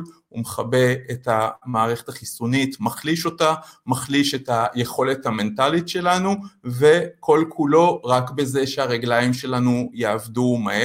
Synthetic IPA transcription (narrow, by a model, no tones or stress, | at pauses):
umeχabe̞etamaːʁeχetaχisunitmaχliʃo̞tamaχliʃe̞taje̞χo̞le̞thame̞ntalitʃe̞lanuve̞kʰo̞lkʰulo̞ʁakbe̞ze̞ʃeaʁeɡlajimʃe̞lanujeavdumae